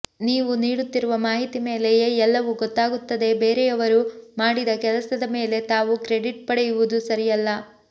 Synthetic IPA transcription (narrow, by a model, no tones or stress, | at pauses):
niːʋuniːɽut̪ːiɾuʋɐmaːɦit̪ime̞ːlejeɛlːɐʋuɡɔt̪ːaːɡut̪ːɐd̪e̞beːɾɛjɐʋɐɾumaːɽid̪ɐkɛlɐsɐd̪ɐme̞ːle̞t̪aːʋukɾe̞ɖiʈ̚pɐɽɛjuʋud̪usɐɾijɐlːɐ